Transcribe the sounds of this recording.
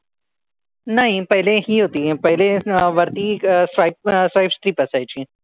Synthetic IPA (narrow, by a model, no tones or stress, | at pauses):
nɐɦĩpɐɦɪleɦiɦoːt̪iɦɛ̃pɐɦleʋɐɾt̪isaɪp̚sʋaɪpst̪ɾiːpɐsaːjt͡ʃʰĩː